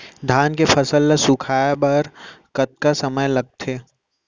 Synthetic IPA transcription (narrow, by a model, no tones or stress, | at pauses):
d̪ʱaːnkepɐsəlːasʊkʰaːbɐɾkɐt̪̚kasɐməjlɐɡ̚t̪ʰeː